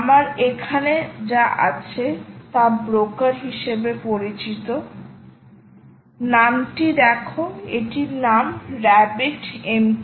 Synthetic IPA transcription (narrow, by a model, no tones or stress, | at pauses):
amaɾekʰaned͡ʑaʔa̰t͡ɕʰet̪abɾokaɾɦiʃebepoɾit͡ɕit̪o | namʈid̪ɛkʰoeʈiɾnamɾɛbiʈem